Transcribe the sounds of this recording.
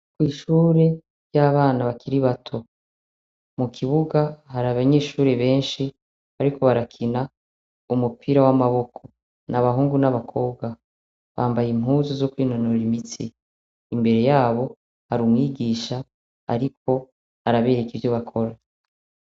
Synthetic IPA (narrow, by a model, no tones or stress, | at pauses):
kwiːʃuːɾe̞ | jaːβaːnaβakʰiɾiβatʰo̞ | mukʰiβuɡaɦaɾaβaɲe̞ːʃuːɾe̞βe̞ːnʃi | aɾikʰo̞βaɾakʰina | umupʰiɾawamaβo̞kʰo̞ | naβaɦuːŋɡunaβakʰo̞ːb̚ɡa | βaːmbajimhuːzozo̞kwiːno̞noɾimitiː | mbe̞ɾe̞jaːβo̞ | haɾuːmŋiːɡiːʃa | a̰ɾik̚ʰo̞ | aɾaβe̞ːɾekivjoβakʰo̞ɾa